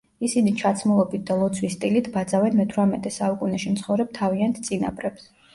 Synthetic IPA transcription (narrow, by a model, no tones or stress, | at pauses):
isinit͡ʃʰat̪sʰmulˠɔbit̪̚ʰd̪alˠɔt̪sʰwist̪ʼilit̪ʰbad̪zavɛnmɛt̪ʰwɾamɛt̪ʼɛsaukʼunɛʃimt̪sʰχɔvɾɛb̚t̪ʰaviant̪ʰt̪sʼina̰pʼɾɛps